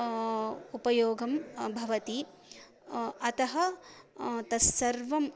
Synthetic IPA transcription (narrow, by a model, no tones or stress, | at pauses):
upɐjoːɡɐmbʱɐʋɐt̪i | ɐt̪ɐɦɐ | t̪ɐsɐɾʋɐm